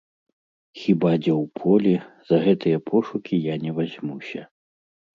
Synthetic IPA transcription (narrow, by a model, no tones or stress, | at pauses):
xʲibad͡zʲɛwpʰɔlʲɛz̥ɐɣɛt̪ɨjɐpʰɔʂukʲijanʲɛvazʲmusʲɐ